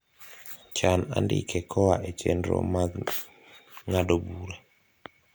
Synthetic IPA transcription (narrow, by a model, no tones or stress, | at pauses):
t͡ʃana̰ndɪ̰kʰɛkʰɔwaʔet͡ʃendɾo̰ma | ŋadobuɾa